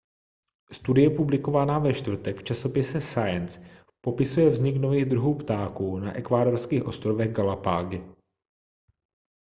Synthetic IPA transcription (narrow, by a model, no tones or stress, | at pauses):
st̪udɪjɛpublɪkovanaːvɛʃt̪vr̩t̪ɛkft͡ʃaso̞pɪsɛsajɛns | po̞pɪsujɛvzɲɪknoviːɣd̪ɾuɦuːpt̪aːkuːnaʔɛkvaːdo̞ɾskiːxʔo̞st̪ɾovɛɣɡalapa̰ːɡɪ